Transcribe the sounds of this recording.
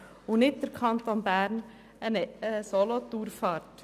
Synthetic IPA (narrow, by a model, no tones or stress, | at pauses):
ʊnɪt̚dəɾkʰɑnt̪onbæːɾn | ɛnɛsolot̪uːɾfɑːɾt